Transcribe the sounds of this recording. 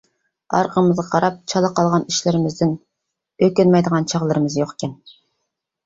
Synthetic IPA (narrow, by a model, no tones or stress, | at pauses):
ɑ̰ɾqəmɨzʁɑqʰɑɾɑp̚t͡ʃʰɑlˠəqɑlˠʁɑniʃlɪɾɪmɪzd̪ɪn | økʲønmɛjd̪əʁɑnt͡ʃʰɑʁlˠɨɾɨmɨzjoqe̥kʲʰɛn